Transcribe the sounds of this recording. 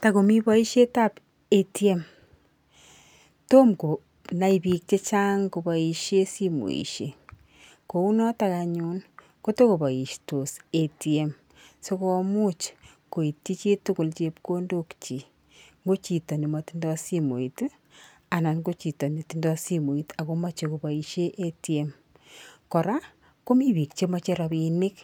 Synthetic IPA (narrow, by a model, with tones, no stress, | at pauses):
ta˨ko˨mi˦βɔ˦i˦ʃe˦ta˦p | e˨tie˦m | to˦mko˨ | na˦ibi˨k̚t͡ʃe˦t͡ʃaː˦ŋko˨ba˨i˨ʃe˦si˦mo̰˨ḭ˨ʃe˨ | ko˨u˦nɔ˦taka˨ɲu˨n | ko˦to˦ko˨ba˨i˨ʃto˨se˨ti˨e˦m | so˦ko˧mu˦t͡ʃ | ko˨i˨tːi˦t͡ʃe˦tʊ˦kʊ˨lt͡ʃe˦pko˦ndo˦kt͡ʃi˨ | ŋɡo˦t͡ʃi˨tɔ˨ni˨matindɔ˦si˦mo˨it | a˨na˨nko˦t͡ʃi˨tɔ˨ne˨ti˦ndɔ˦si˦mo˨i˦ta˨ko˦ma˦t͡ʃe˨ko˨ba˨i˨ʃe˦ʔe˦tie˦m | kɔ˨ɾa˦ | ko˦mi˦βi˨kt͡ʃe˦ma˦t͡ʃe˦ɾa˧βinɪ˦k